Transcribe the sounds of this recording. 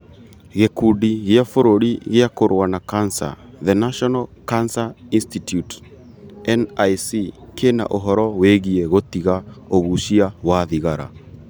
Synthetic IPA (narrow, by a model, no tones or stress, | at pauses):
ɣekudiɣeafoɾoɾiɣeakoɾwanakansa̰ðenaʃɔnalkansainstitjut | ɛnajsikʰena̰ʔoɦɔɾɔweɣieɣot̪iɣaoβuʃiawaðiɣaɾa̰